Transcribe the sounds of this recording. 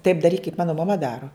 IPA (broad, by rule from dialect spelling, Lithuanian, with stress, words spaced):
tɐɪp dɐˈrʲiːk kɐɪp ˈmɑːnʊ mɐˈmɐ ˈdɑːrʊ